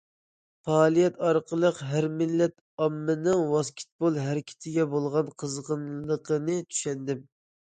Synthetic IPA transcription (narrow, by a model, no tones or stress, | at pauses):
pɑːlˠijɛt̪ɑɾqʰəlˠəqɦæɾmɪlːɛt̪ | ɑmːɨnɨŋwɑskʲʰi̥t̪̚bolˠɦæɾɪkʲʰɪ̥t̪ʰɪɡʲɛbolˠʁɑnqʰəzʁənləqʰənɨt̪ʰy̥ʃɛnd̪ɪm